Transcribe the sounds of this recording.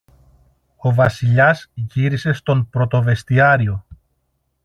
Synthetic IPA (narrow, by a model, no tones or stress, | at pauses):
o̞vɐsiʎɐzʝiɾise̞st̪o̞mpɾo̞t̪o̞ve̞st̪iɐɾio̞